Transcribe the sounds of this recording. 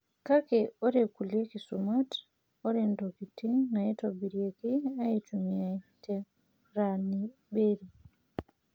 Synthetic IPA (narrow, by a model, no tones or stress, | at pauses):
kakɛɔɾɛkulekisumat | ɔɾɛndokitinajɛtobiɾiekiajit͡ʃumiatɛ | ɾani | beɾi